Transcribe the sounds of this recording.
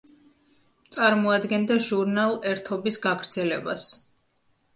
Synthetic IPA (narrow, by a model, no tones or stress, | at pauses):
t̪sʼaɾmɔad̪ɡɛnd̪aʒuɾnalˠɛɾt̪ʰɔbisɡaɡɾd̪zɛlɛbas